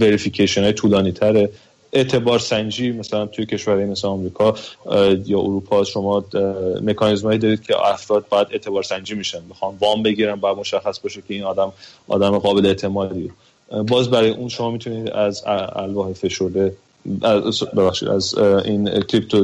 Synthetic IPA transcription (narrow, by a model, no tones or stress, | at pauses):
veɾificʰeʃionɒːjet̪ʰuːlɒːniːt̪ʰæɾe | e̞ʔt̪ʰe̞bɒːɾsænd͡ʒiːmæsælænt̪ʰuje̞cʰe̞ʃvæɾːjemesleɒmɾiːkʰɒ | jɒːʔoɾuːpʰɒːʃo̞mɒːme̞kʰɒːnizmhɒːiːd̪ɒɾiːd̪̥̚cʰḛæfɾɒːd̪̚bɒːjæd̪e̞t̪ʰe̞bɒːɾsænd͡ʒiːmiʃænmexɑnvɒːmbe̞ɡiːɾænbɒjæd̪̚mo̞ʃæxːæsbɒːʃecʰʲe̞iːnɒːd̪æmʔɒ̰ːd̪æmeɣɒːbe̞leet̪ʰe̞mɒːd̪ie | bɒːzbæɾɒːjeʔunʃo̞mɒːmit̪ʰuniːd̪æzæ̰lbɒːhefe̞ʃoɾd̪e | bebæxʃḭːd̪æ̰zincʰɾip̚t̪ʰo